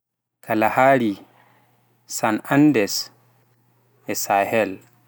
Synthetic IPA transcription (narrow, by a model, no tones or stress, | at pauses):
kʰalahaːɾi | sanandɛs | ɛsahɛl